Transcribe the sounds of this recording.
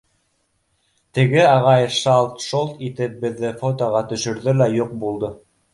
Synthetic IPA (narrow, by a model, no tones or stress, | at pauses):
t̪ɘ̆ɡɘɑʁɑjʃɑlˠt̪ʃolˠt̪it̪ɘ̆p̚bɘ̆ðːɘfot̪oʁɑt̪ɵ̆ʃɵ̆ɾðɵlæjuq̚bulˠd̪o